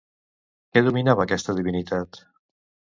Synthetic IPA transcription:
kɛðuminaβəːkɛst̪əðiβinit̪at̪

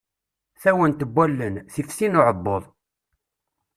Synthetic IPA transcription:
θæwənt̪əbʷːælːənθifsinʊʕəbːoðˤ

